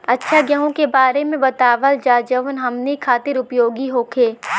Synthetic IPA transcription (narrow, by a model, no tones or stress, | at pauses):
ɐtːʃʰaɡjəɦõkebaːɾemẽbɐt̪aːʋəld͡ʒaːd͡ʒəʋnɦɐmnikʰaːt̪ɪɾʊpjoːɡiɦoːkʰeː